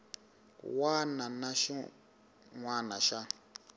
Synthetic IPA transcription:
wananaʃi | ŋwanaʃa

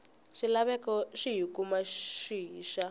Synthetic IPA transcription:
ʂilaβɛkɔʂiɦikumaʃiːʃa

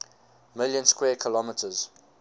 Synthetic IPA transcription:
mɪljə̃nskwɛːkʰəlɔmɪtʰəz̥

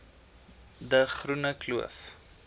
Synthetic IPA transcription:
d̪əχɾunaklua̰f

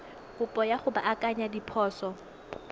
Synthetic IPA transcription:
kʊpʼɔjaχʊbaʔakʼaɲadipʰɔːsɔ

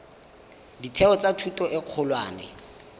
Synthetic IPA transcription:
ditʰɛɔt͡satʰutʼɔʔɪq͡χʰʊlwaːnɛ̰

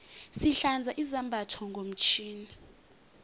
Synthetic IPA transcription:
siɬand͡zʱaʔizambʱatʰɔŋɡʱom̩t͡ʃʰiːni

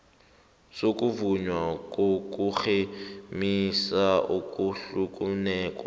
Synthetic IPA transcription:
sokʼuvuɲwakʼokʼuk͡xemisaukʼuɬukʼunɛːkʼwa

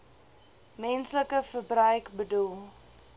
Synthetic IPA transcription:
mɛnsləkəfərbrœɥkbədulˠ

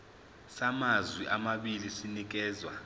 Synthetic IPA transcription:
samazwiʔamaɓilisinik̬ɛːzwa

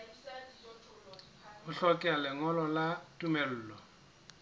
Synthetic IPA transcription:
ʊɬɔkʼɛalɪŋɔlɔlatʼumɛl̩ːlɔ

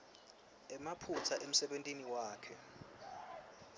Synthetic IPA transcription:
ɛmapʰut͡sʰaʔem̩sɛɓentʼiniwaːkʰɛ

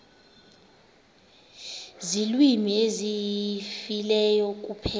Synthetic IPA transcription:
zilwimiezifilɛjɔk̬upʰɛ

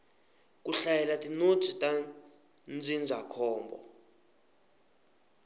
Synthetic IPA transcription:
k̬ʼuɬajɛlatʼinod̥z̥ʱitʼa | nd͡zʱind͡zʱakʰɔːmbɔ̰

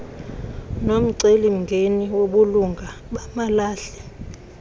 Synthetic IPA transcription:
nom̩ǀelim̩ŋɡʱeniwoɓuluŋɡʱaɓamalaːɬɛ̥

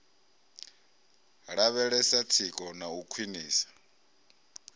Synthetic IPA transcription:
ɺaβɛɺɛsat͡sʰikʼɔnaukʰwiniːsḁ

